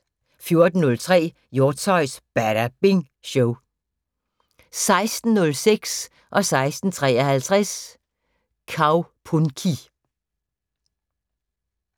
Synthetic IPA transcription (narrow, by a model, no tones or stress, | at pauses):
fjo̝ɐd̥n̩nɔ̽lt͡sʰʁɛ̰ː | jo̝ːt͡sʰɒɪsb̥æɾ̥æb̥eŋ | ɕɔʊ | sɑ̈ɪsd̥n̩nɔ̽lseɡ̥s | ʔɒ̽sɑ̈ɪsd̥n̩t͡sʰʁɛ̰ːɐhælt͡sʰʁɛs | kʰɑ̈ʊpʰunkʰi